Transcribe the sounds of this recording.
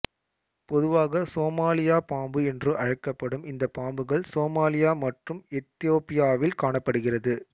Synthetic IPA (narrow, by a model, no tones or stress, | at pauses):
pɔðɯʋaːɣɐsoːmaːlɪjaːpaːmbɯɛndrɯʔɐɻɐkːɐpːɐɽɯmɪnd̪ɐpaːmbɯɣɐɭsoːmaːlɪjaːmɐʈrɯmɛt̪ːɪjoːpɪjaːʋɪlkaːɳɐpːɐɽɯɣɪrɐðɯ